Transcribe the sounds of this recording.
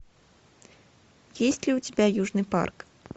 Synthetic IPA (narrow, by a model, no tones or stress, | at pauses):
jesʲtʲlʲiʊtʲɪbʲæjuʐnɨjpa̰rk